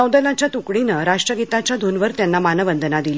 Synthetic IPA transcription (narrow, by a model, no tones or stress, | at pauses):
əwd̪əlat͡ɕjat̪ukɽinəɾaʂʈɾəɡit̪at͡ɕjad̪ʱunʋəɾt̪janːamanəʋənd̪ʱənad̪ili